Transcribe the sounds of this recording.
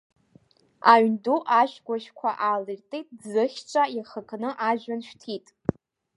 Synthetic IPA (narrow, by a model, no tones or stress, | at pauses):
aɥnduʔaʃᶣɡʷaʃkʷʰaʔalɨrtʼijtʼzɨχʲt͡ʃʷʰʼajaχəkʰnɨʔaʒᶣanʃᶣtʰitʼ